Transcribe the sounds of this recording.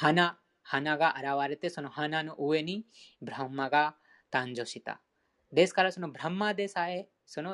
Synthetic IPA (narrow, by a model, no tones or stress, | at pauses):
hɐna | hɐnaɡaʔɐɾaːʋaːɾet̪esɔnuɦɐnanuʔuʋenibʱɾɐmːaɡa | t̪aːnd͡ʒoʃit̪a̰ | d̪eːskaɾasunubʱɾɐmːad̪eːsaːje | sɔnu